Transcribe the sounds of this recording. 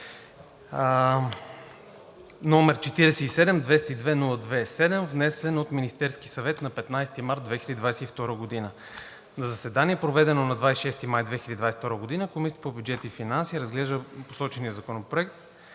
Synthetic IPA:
nomɛɾt͡ʃɛt̪iɾɛsɛisɛd̪ɛmd̪vɛst̪əid̪vɛnulˠəd̪vɛsɛd̪ɛmvnɛsɛnot̪minist̪ɛɾski̥sɐvɛt̪nɐpɛt̪najst̪imaɾt̪̚d̪vɛxilʲəd̪id̪vajsɛift̪ɔɾəɡod̪inə | nɐzɐsɛd̪aniɛpɾovɛd̪ɛnonɐd̪vajsiʃɛst̪imajd̪vɛxilʲəd̪ʲd̪vajsft̪ɔɾəɡod̪inəkomisi̥t̪əpobjudd͡ʒɛt̪ifinansiːɾɐzɡlɛʒd̪əpo̥sɔt͡ʃɛniəzɐkonopɾoɛkt̪

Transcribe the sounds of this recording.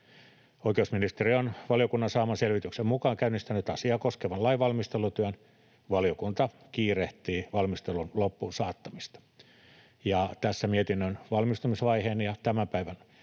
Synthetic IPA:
oikeusminist̪erionʋɑljokunːɑnsɑːmɑselʋit̪yksemmukɑːŋkæynːist̪ænyt̪ɑsiɑːkoskeʋɑlɑiʋɑlmist̪elˑut̪yæn | ʋɑljokunt̪ɑ | kiːreht̪iːʋɑlmist̪elunlopːunsɑːt̪ːɑmist̪ɑ̥ | jɑt̪æsːæmiet̪inːønʋɑlmist̪ɑmisʋɑiheːnjɑt̪æmæmpæiʋæn

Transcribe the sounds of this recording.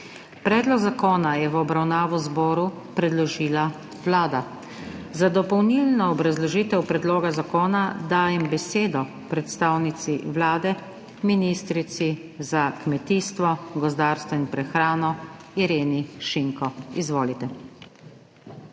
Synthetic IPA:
pɾɛːd̪lɔɡzakoːnajɛʋɔbɾawnaːʋɔzbɔːɾu | pɾɛd̪lɔʒiːla | ʋlaːd̪a | zad̪ɔpɔwnilnɔːbɾazlɔʒiːt̪ɛwpɾɛd̪loːɡazakoːnad̪aːjɛmbɛseːd̪ɔ | pɾɛt̪st̪aːwnit̪siʋlaːd̪ɛ | minist̪ɾit̪si | zakmɛt̪iːst̪ʋɔɡɔzd̪aːɾst̪ʋɔinpɾɛxɾaːnɔiɾeːniʃiŋkɔizʋoːlit̪ɛ

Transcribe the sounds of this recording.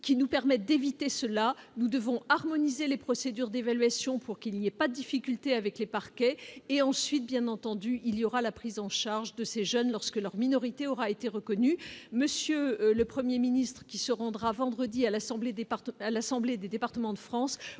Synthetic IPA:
kʲinupɛʁmɛt̪̚d̪evit̪esəlanud̪əvɔ̃aʁmɔnizelepχɔsed̪yʁd̪evalɥasjɔ̃pʰuʁkilniɛpad̪əd̪ifikʲylt̪eavɛklepaʁkʲɛeɑ̃sɥit̪̚bjɛ̃nɑ̃t̪ɑ̃d̪yʔilijɔʁalapχizɑ̃ʃaʁʒd̪əseʒœnlɔʁskəlœʁminɔʁit̪eɔʁaet̪eʁəkɔnyməsjøləpχəmjeminist̪χə̥kʲisəʁɑ̃d̪ʁavɑ̃d̪ʁəd̪ialasɑ̃bled̪et̪alasɑ̃bled̪ed̪epaʁt̪əmɑ̃d̪əfχɑ̃s

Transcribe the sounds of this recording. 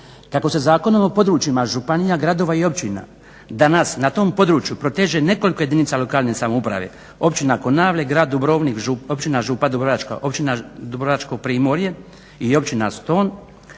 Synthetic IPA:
kako̞se̞zaːko̞nomopo̞d̪ɾuːt͡ʃimaʒupanijaɡɾad̪o̞ʋaio̞pt͡ʃina̰ | d̪anasnat̪o̞ːmpo̞d̪ɾuːt͡ʃjupɾo̞t̪eːʒene̞ko̞likoje̞d̪init̪salo̞kaːlˠne̞samoupɾa̰ʋḛ | o̞pt͡ʃinako̞naːʋlʲeɡɾaːd̪̚ːubɾoːʋnikʒuopt͡ʃinaʒupad̪ubɾoʋat͡ʃka̰ʔo̞pt͡ʃinad̪ubɾoat͡ʃko̞ɡ̚pɾiːmo̞ɾje̞ | io̞pt͡ʃina̰st̪o̞ːn

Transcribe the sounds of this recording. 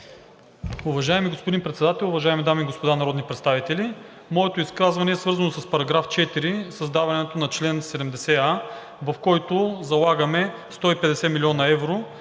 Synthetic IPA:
ʊvɐʒaɛmiɡospod̪inpɾɛt̪sɛd̪at̪ɛlˠʊvɐʒaɛmid̪amiːɡospod̪anɐɾɔd̪nipɾɛt̪st̪avit̪ɛli | mɔɛt̪oiskazvɐnɛːsvɤɾzɐnosɐspɐɾɐɡɾaft͡ʃɛt̪iɾisɐzd̪avɐnɛt̪onɐt͡ʃlɛnsɛd̪ɛmd̪ɛsɛa | vɐfkɔjt̪ʊzɐlˠaɡəmɛ | st̪ɔipɛd̪ɛsɛmilʲɔnɐɛvɾo

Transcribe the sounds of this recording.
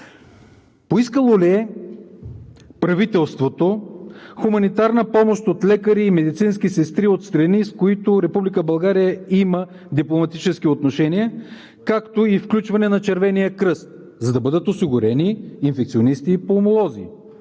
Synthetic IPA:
poiskəlˠoliɛ | pɾɐvit̪ɛlˠst̪vot̪oxumɐnit̪aɾnəpɔmoʃt̪ot̪lɛkəɾiːmɛd̪it̪sinskisɛst̪ɾiot̪st̪ɾɐniskoit̪ʊɾɛpublikəbɐlˠɡaɾijəimə | d̪iplˠomɐt̪it͡ʃɛsk̟iot̪noʃɛniə | kakt̪oifklʲut͡ʃvɐnɛnɐt͡ʃɛɾvɛnijəkɾɤst̪ | zɐd̪ɐbɤd̪ət̪osiɡʊɾɛniːnfɛk̚t̪sionist̪ipoːmolˠɔzḭ

